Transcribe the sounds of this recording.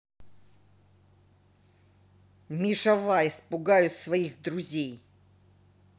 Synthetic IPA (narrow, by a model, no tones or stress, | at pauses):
mʲɪʂɐvaɪspʊɡajʊsvɐixd̪ɾʊzʲej